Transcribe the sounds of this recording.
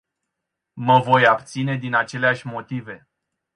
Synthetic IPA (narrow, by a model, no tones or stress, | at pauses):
məvo̞jabt̪sine̞d̪inat͡ʃe̞leaʃʲmo̞t̪ive̞